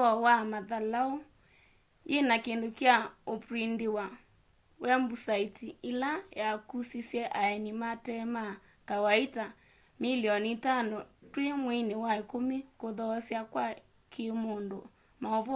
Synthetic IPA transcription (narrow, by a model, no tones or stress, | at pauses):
ɔwamaðalao | jenakendokjaopɾindewa | wɛmbusaitielajakusisjɛʔaɛnimatɛma | kawaita | miliɔnitanɔtwemwinewaekomekoðɔːsjakwa | kʰemondo | maɔv